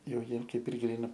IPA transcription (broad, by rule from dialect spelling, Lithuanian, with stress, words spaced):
ˈjɛʊ ˈjiɛm ˈkɐɪp ɪr ˈɡrʲiːnɐ